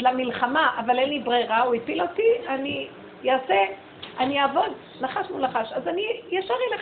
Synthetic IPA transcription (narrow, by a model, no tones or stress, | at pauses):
lamilχamaʔavalenlibʁeʁauipilotiani | jaːse | anijaːvo̞d̪ | naχaʃmulnaχaʃazanijaʃaʁile